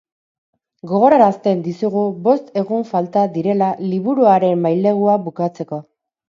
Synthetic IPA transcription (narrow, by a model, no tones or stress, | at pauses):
ɡo̞ɣo̞ɾaɾast̪e̞nd̪isuɣubo̞st̪e̞ɣuɱfalt̪ad̪iɾe̞laliβuɾuaɾe̞mːajle̞ɣuaβukat͡se̞ko̞